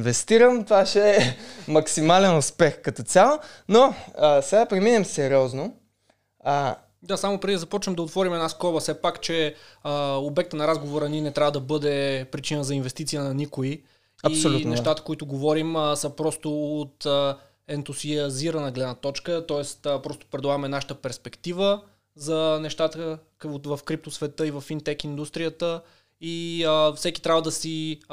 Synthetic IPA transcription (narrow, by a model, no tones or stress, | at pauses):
nvɛst̪iɾəmt̪vaʃɛmɐksimalɛnʊspɛxkɐt̪ɔt̪sʲalˠonosɛɡaəpɾɛminɛmsɛɾiɔzno | d̪asamʊpɾɛd̪iizɐpɔt͡ʃvɛmd̪ɐot̪vɔɾimɛd̪naskɔbɐsɛpakt͡ʃɛəobɛk̚t̪ənɐɾazɡovoɾɐninɛt̪ɾʲavəd̪ɐbɤd̪ɛpɾit͡ʃinəzɐinvɛst̪it̪ijənɐnikʊi | ɐisoluɛʃt̪at̪ə̥koit̪ʊɡovɔɾimsɐpɾɔst̪ʊːt̪ə | ɛnt̪usiɐziɾɐnəɡlɛd̪nɐt̪ɔt͡ʃkət̪ɔɛst̪əpɾɔst̪ʊ̥pɾɛd̪lˠaɡəmɛnaʃə̥t̪əpɛɾspɛkt̪ivə | zɐnɛʃt̪at̪ə | vɐfkɾip̚t̪osvɛt̪ɤivɐfint̪ɛkind̪ust̪ɾijət̪ə | iəfsɛki̥t̪ɾʲavəd̪ɐsi